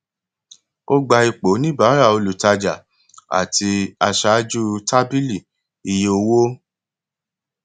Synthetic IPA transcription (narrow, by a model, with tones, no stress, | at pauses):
o˦ɡ͡ba˧i˧k͡po˨˦nĩ˦˨ba˨˦ɾa˦˨o˧lu˨ta˧d͡ʒa̰˨ | a̰˨tʰi˧a˧ʃa˨˦d͡ʒu˦ta˦bi˦li˦˨ | i˧je˧o˧wo˦